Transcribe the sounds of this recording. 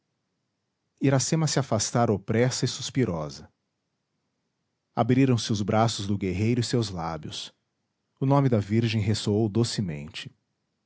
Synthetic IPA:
iɾasẽmɐsɪafast̪aɾopɾɛsɐɪsuspiɾɔzɐ | a̰bɾiɾɐ̃w̃sɪʊzbɾasʊzd̪ʊɡeɦejɾʊɪsewzlabjʊs | ʊnõmɪd̪ɐviɾʒẽj̃ɦesoowd̪osɪmḛ̃nt͡ʃɪ̥

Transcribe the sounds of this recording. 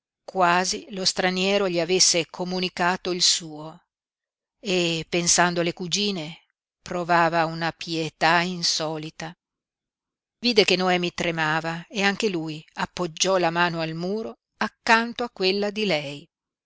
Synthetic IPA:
kwaːzilost̪ɾanjɛːɾoʎiavesːekʰomunikaːt̪oilsuːo | epːensand̪oalekud͡ʒiːne | pɾovaːvaunapjet̪ainsɔːlit̪a | viːd̪ekenoɛːmit̪ɾemaːvaeaŋk̟elujapːod͡ʒːɔlamaːnoalmuːɾo | akːant̪oakːwelːad̪ilɛj

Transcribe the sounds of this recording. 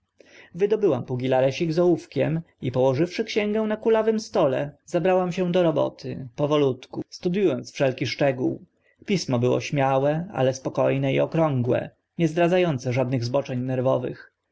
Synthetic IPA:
vɘd̪ɔbɘwampuɡʲilaɾɛɕiɡzɔufkʲɛm | ipɔwɔʐɘfʂɘkɕɛŋɡɛw̃nakulavɘmst̪ɔlɛ̰zabɾawamɕɛ̃d̪ɔɾɔbɔ̰t̪ʰɘpɔvɔlut̪kust̪ud̪jujɔnt̪sfʂɛlkʲiʂt͡ʂɛɡṵw | pʲismɔbɘwɔ̰ɕmʲjawɛa̰lɛspɔkɔjnɛḭɔkɾɔŋɡwɛ̰ | ɲɛzd̪ɾad̪zajɔnt̪sɛʐad̪̚nɘɣzbɔt͡ʂɛɲnɛɾvɔvɘ̰x

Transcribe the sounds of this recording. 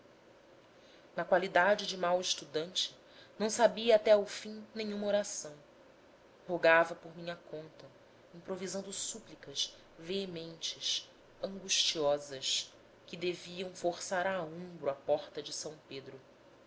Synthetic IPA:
nɐkwalid̪ad͡ʒɪd͡ʒɪmawɪʃt̪ud̪ɐ̃nt͡ʃɪ̥ | nɐ̃w̃sabiɐːt̪ɛawfĩnẽɲũmɐoɾasɐ̃w̃ | hoɡavɐpoɾmĩɲɐkõnt̪ɐ | ĩpɾovizɐ̃nd̪ʊsuplikɐʃ | veemẽnt͡ʃɪʃ | ɐ̃ŋɡuʃt͡ʃiɔzɐʃ | kɪd̪eviɐ̃w̃foχsaɾaõmbɾʊapɔχt̪ɐd͡ʒɪsɐ̃w̃ped̪ɾʊ

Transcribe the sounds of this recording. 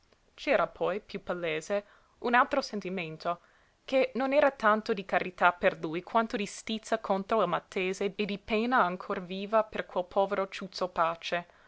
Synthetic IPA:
t͡ʃɛːɾapʰɔjpjupalːeːze | unalt̪ɾosent̪iment̪o | kenonɛːɾat̪ant̪od̪ikaɾit̪aperlujkʰwant̪od̪ist̪it̪sakʰont̪ɾoilmat̪ʰːeːzeːd̪ipeːnaːŋkʰorviːvaperkwelpʰɔːveɾot͡ʃut̪sopaːt͡ʃe

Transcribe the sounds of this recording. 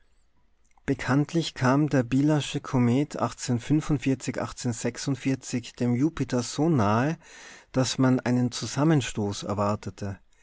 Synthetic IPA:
b̥əkʰantʰlɪçkʰaːmdeːɐbiːlaʃəkʰomɛːtʰʔa̰χt͡seːnfʏnfʊntfɪɐt͡sɪçʔa̰χt͡seːnz̥ɛksʊntfɪɐt͡sɪçd̥eːmjuːpɪtʰɐz̥oːnaːəd̥asmanʔa̰ɪnənt͡suzamənʃtoːsɛ̰ɐvaɐtətʰə

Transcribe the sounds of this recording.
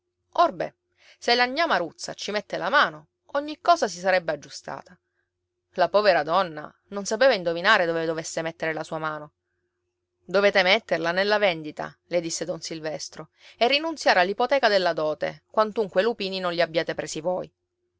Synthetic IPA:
orbɛ̰ | selːaɲːamaɾut̪sːa̰t͡ʃimɛt̪ːelamaːno | ɔɲːikːɔːsas̬isaɾɛbːead͡ʒːust̪a̰ːt̪a | lapɔːveɾad̪ɔnːa̰ | nonsapeːvaind̪ovinaːɾed̪oved̪ovesːemet̪ːeɾelasuːamaːno | d̪oveːt̪emɛt̪ːerlanelːavɛnd̪it̪a̰ | led̪isːed̪onsilvɛst̪ɾo | erːinunt̪sjaːɾealːipot̪ɛːkad̪elːad̪ɔːt̪ḛkwant̪uŋkwelupiːninõnʎiabːjaːt̪epɾeːsivoːj

